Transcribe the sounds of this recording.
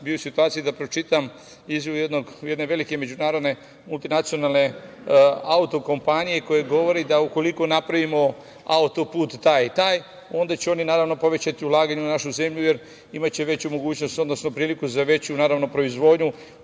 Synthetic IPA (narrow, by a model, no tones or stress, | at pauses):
biosit̪uaːt̪sijud̪apɾo̞t͡ʃit̪am | izʋjijed̪no̞ɡje̞d̪ne̞ʋe̞like̞me̞d͡ʑunaːɾo̞d̪ne̞ | mulˠt̪inat̪sijo̞nalne̞ | aut̪o̞ko̞mpanijeko̞je̞ɡo̞ʋo̞ɾed̪auko̞liko̞napɾaʋimo̞ | aut̪opuːt̪ːaːjt̪aːj | o̞nd̪at͡ɕeo̞ninaːɾaʋno̞poʋe̞t͡ɕat̪iulˠaːɡaɲunaʃuze̞mʎuje̞ɾ | imat͡ɕe̞ʋe̞t͡ɕumo̞ɡuːt͡ɕno̞st̪o̞d̪no̞snopɾiːlikuzaʋe̞t͡ɕunaːɾaʋno̞pɾo̞izʋo̞ːd̪ɲu